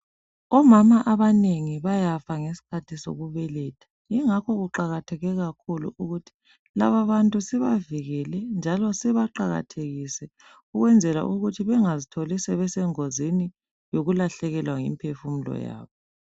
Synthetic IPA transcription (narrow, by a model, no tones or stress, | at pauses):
ɔmamaʔaβaneŋiβajafaŋesi̥kʰatʰiso̰ɣuβɛlɛtʰḁ | iŋakɔɣuǃaɣatʰɛɣɛɣakʰulṵʔuɣutʰi̥ | la̰βaβantʼusiβaviɣɛlɛnd͡ʒʱalɔsɛβaǃaɣa̰tʰeɣisɛ | uɣwɛnd͡zʱɛla̰ʔuɣutʰiβɛŋazitʰolisɛβɛsɛŋozini | joɣulaɬɛɣɛlwaŋḭmpʰefum̩lɔ̰ja̰ːβɔ